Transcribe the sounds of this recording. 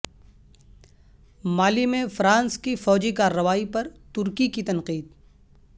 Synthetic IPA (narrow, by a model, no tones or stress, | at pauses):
maːlimẽfɾãːnskifɔːd͡ʒikaːɾːɐʋaːipɐɾt̪ʊɾkikit̪ɐ̃nqiːd̪